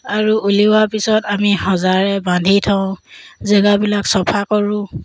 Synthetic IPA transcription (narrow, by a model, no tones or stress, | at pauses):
aɹuʔuliwaɹpisɔtamihɔzaɹɛbãndʱitʰaʊ̃zɛɡabilaksɔpʰakɔɹʊ̃